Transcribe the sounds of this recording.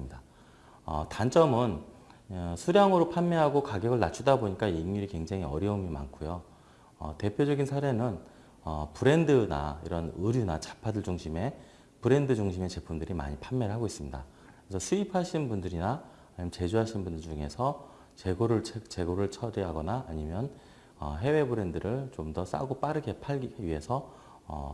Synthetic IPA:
mida | ʌ̰tant͡ɕ͈ʌmɯn | sʰuɾjaŋɯɾopʰanmeɦaɡokaɡjʌɡɯɭnat͡ɕʰudaboɲik͈aiŋːuɾikwe̞ŋd͡ʑaŋɦiʌ̰ɾjʌumima̰nkʰujo | ʌ̰te̞pʰjod͡ʑʌɡinsʰaɾe̞nɯn | ʌpɯɾe̞ndɯna̰ḭɾʌnɯɾjunat͡ɕḁpʰadɯɭd͡ʑuŋɕʰime̞ | pɯɾe̞ndɯd͡ʑuŋɕʰime̞t͡ɕe̞pʰumdɯɾima̰ɲipʰamːeɾɭɦaɡois͈ɯmɲida̰ | kɯɾesʰʌsʰuipʰaɕʰinnbundɯɾina | aɲimjʌnt͡ɕe̞d͡ʑuɦaɕʰinbundɯd͡ʑuŋe̞sʰʌ | t͡ɕe̞ɡoɾɯɭt͡ɕʰet͡ɕe̞ɡoɾɯɭt͡ɕʰʌɾiɦaɡʌnaːɲimjʌn | ʌ̰ɦe̞we̞bɯɾe̞ndɯɾɯɭt͡ɕomdʌs͈a̰ɡop͈aɾɯɡe̞pʰaɭɡiɡiɥiɦe̞sʰʌ | ʌ̰

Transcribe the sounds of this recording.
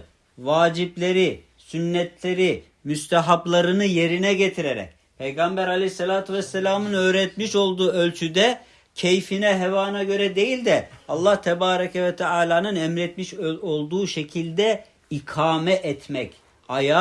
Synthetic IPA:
vaːd͡ʒiplʲe̞ɾi | synːɛt̪ʰlʲe̞ɾi | myst̪ʰaɦaplˠaɾɯnɯje̞ɾinɛɟet̪ʰiɾeɾɛ̰c̚ | pʰejɡambæɾalʲeçsːelʲaːt̪ʰuvɛsːɛlʲaːmɯnø̞ːɾɛt̪miʃo̞lˠd̪uːølʲt͡ʃʰyd̪ɛ | cʰejfinɛɦɛvaːnaɟø̞ɾɛd̪e̞jilʲd̪ɛalˠːaht̪ʰɛbaːɾakʰɛvɛt̪ʰɛaːlʲˠaːnɯnɛmɾɛt̪miʃo̞lˠd̪uːʃecʰilʲd̪ɛ | ikʰaːmɛʔɛt̪ʰmɛc | aja

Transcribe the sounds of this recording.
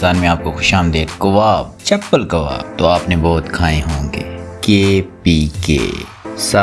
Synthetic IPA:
aːnmẽaːp̚koxʊʃaːmd̪eːt̪kʊʋaːb̚t͡ʃɐpːəlkɐʋa̰ːb̚t̪oaːpnebɔːt̪kʰaːẽɦõːŋɡḛːkeːpiːkḛː | sa

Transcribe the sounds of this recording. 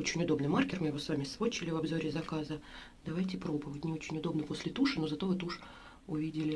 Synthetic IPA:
ot͡ɕɪnʲʊd̪o̞bnɨjmarkʲɪrmɨjɪvo̞svamʲɪsvot͡ɕɪlʲɪvɐbzo̞ɾʲɪzɐkazə | d̪ɐvajtʲɪpɾo̞bɨvətʲnʲɪo̞t͡ɕɪnʲʊd̪o̞bnəpo̞sʲlʲɪt̪uʂɨno̞zɐt̪o̞vɨt̪uʂ | ʊvʲidʲɪlʲɪ

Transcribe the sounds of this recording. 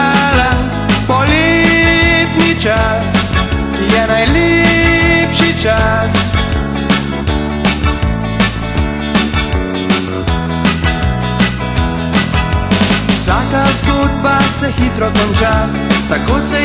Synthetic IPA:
la | pɔlɛ | pnit͡ʃa | s | jɛnajlɛ | pʃit͡ʃas | sakast̪ud̪basɛxit̪ɾɔkɔnt͡ʃa | t̪akosɛ

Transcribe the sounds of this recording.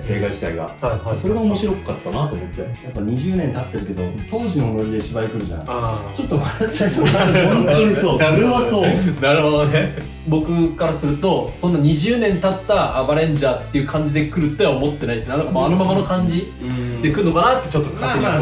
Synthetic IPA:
eiɡaɕi̥t̪a̰iɡa̰haaso̞ɾe̞ɡaomo̞ɕiɾo̞kat̪ːanat̪oːmo̞t̪ːe̞̰japːaɲ̟iʑɨːnẽ̞nt̪at̪ːe̞ɾɯ̟ke̞d̪o̞̰t̪o̞ːʑinoːmoɾʲid̪eɕibaɾikɯ̟ɾɯ̟d͡ʑa̰na̰at͡ɕo̞t̪ːomaɾat͡ɕːaõnt̪oɲissoːɾeβasoːd̪aɾɯɦod̪one | bo̞kɯ̟kaɾasɨɾɯ̟t̪o̞sõ̞nːaɲ̟iʑɨːnẽ̞nt̪at̪ːaːbaɾẽ̞ɲd͡ʑaːt̪ːe̞jiɯ̟kʰãɲ̟d͡ʑid̪e̞kɯ̟ɾɯ̟t̪ːoaomo̞t̪ːeaĩd̪sneanokamano̞mamano̞kãɲ̟d͡ʑi | d̪e̞kɯ̟ɾɯ̟nokanat̪ːet͡ɕo̞t̪ːokʰa

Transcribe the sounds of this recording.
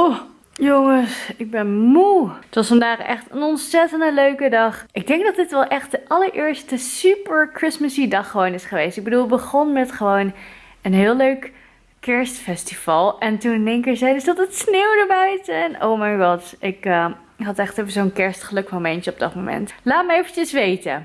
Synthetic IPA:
o | joŋəsɪɡ̚bɛnmuətʋɑsfɑndaːχɛ̰χtənɔnsɛtəndəløɥkədɑχʔɪɡ̚dɛŋɡ̚dɑt̚dɪtʋɛlˠʔɛχt̚dəʔɑləɹʔɪːɹstəsypəɹkrɪsməsidɑχəʋownɪsχəʋejstɪɡ̚bədulˠbəχɔnmɛtχəʋown | ənɦɪːlˠøɥk | kɛɹstfɛstifɑlˠʔɛntunnejŋkɪzɛjdəsdɑtətsneːwdəbœɥtəɛno̰wmajɡɑtɪkə | ɦɑtɛχtevəzownkɛɹstχəlɵkmomɛntəɔb̚dɑ̰t̚momɛ̰ntlaːt̚məejfət͡ʃəsʋejtə̰

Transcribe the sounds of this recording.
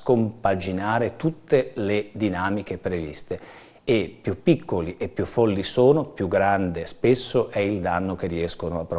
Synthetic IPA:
kompad͡ʒinaːɾet̪ut̪ːeled̪inaːmik̟epɾevḭst̪e | epːjupːikːoliʔepːjufːɔlːisoːnopjuɡːɾand̪espesːoʔɛild̪anːok̟eriɛskonoapːɾ

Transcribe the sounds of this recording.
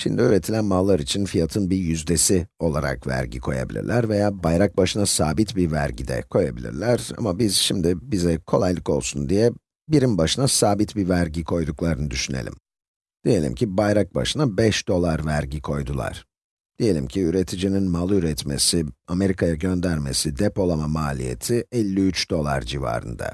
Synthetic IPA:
ʃḭmd̪iyɾe̞t̪ʰilʲænmalˠːaɾit͡ʃʰinfijat̪ʰɯnbijyzd̪e̞sio̞lˠaɾa̰kvæ̰ɾɟḭkʰo̞ja̰bilʲḭɾlʲæɾve̞jaːbajɾak̚baʃɯnasaːbit̪bivæ̰ɾɟid̪ɛ̰kʰo̞jabilʲḭɾlʲæɾa̰mabizʃimd̪ɪbizɛkʰo̞lˠajlˠɯko̞lˠsund̪ijɛ | biɾimbaʃɯnasaːbit̪bivæɾɟikʰo̞jd̪uklˠaɾɯnɯd̪yʃyne̞̰lʲḭm | d̪̥ije̞lʲḭmcʰibajɾak̚ba̰ʃɯnabɛʃd̪̥o̞lˠaɾvæɾɟikʰo̞jd̪ulˠa̰ɾ̥ | d̪̥ije̞lʲḭmcʰiyɾe̞t̪ʰid͡ʒininmalˠɯyɾɛt̪me̞̰siame̞ɾikʰajaɟø̞nd̪æɾme̞̰sid̪ɛpo̞lˠamamaːlʲije̞̰t̪ʰiɛlʲːiyt͡ʃd̪o̞lˠa̰ɾd͡ʒiva̰ːɾɯ̰nd̪a̰

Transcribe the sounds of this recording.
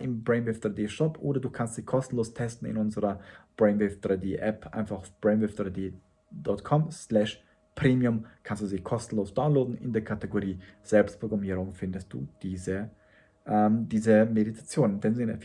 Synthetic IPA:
ɪmbʁɛɪnvɪfd̥ʁaɪdeːʃɔpʔo̰ːdɐduːkʰanstz̥iːkʰɔstn̩loːstʰɛstn̩ɪ̰nʊnzəʁɐb̥ʁɛɪnvɪfd̥ʁaɪdeːʔɛpʰʔa̰ɪnfaχb̥ʁɛɪnvɪfd̥ʁaɪdeː | d̥ɔtkʰɔmslɛʃ | pʁ̥eːmiʊmkʰanstd̥uːziːkʰɔstn̩loːsd̥aʊnloːdn̩ɪ̰ndeːɐkʰateɡoʁiːz̥ɛlpstpʰʁ̥oɡʁamiːʁʊŋfɪndəst̚d̥ṵːd̥iːzə | ʔɛmd̥iːzəmeditʰḁt͡sjoːnndɛnzɪnə

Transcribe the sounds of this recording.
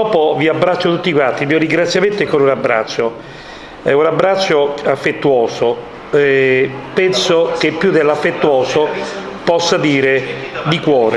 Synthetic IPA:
ɔːpoviabːɾat͡ʃːot̪ut̪ːikwant̪ːilmiːoɾiŋɡɾat̪sːjament̪oɛkːolunabːɾa̰t͡ʃːo | ɛunabːɾasːoafːet̪ːuoːso | ɛpɛnsok̟epːjud̪elːafːet̪ːuoːso | pɔsːad̪iːɾed̪ikwɔːɾe

